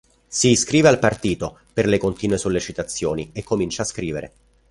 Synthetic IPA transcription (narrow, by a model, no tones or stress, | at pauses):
siskɾiːvealpart̪iːt̪o | perlekont̪iːnwesolːet͡ʃit̪at̪sːjoːniekːomint͡ʃaːskɾiːveɾʔḛ